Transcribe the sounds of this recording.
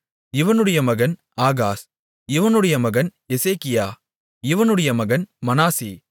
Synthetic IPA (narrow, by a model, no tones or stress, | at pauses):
ɪʋɐnɯɽɐjɐmɐɣɐn | aːɣaːs | ɪʋɐnɯɽɐjɐmɐɣɐn | ɛseːkɪjaː | ɪʋɐnɯɽɐjɐmɐɣɐnmɐnaːsiː